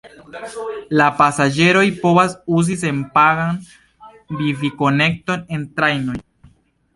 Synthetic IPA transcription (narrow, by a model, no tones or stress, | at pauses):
lapasad͡ʒe̞ɾo̞jpo̞vasuzis̬e̞npaɡan | biviko̞ne̞k̚to̞ne̞ntɾajno̞j